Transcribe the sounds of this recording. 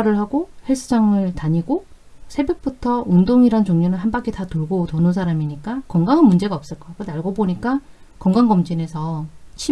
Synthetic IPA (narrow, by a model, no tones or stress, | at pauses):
ɾɯɭɦaɡoheɭs͈ʰud͡ʑaŋɯɭtaɲiɡo | sʰe̞bjek̚p͈utʰʌundoŋiɾant͡ɕoŋɲonɯnɦanbak͈ʰitatoɭɡotonɯnsʰaɾamiɲik͈akʌŋɡaŋɯnmund͡ʑe̞ɡaʌp̚s͈ɯɭk͈ʌkɯnaɭɡoboɲik͈a | kʌŋɡaŋɡʌmd͡ʑine̞sʰʌt͡ɕʰi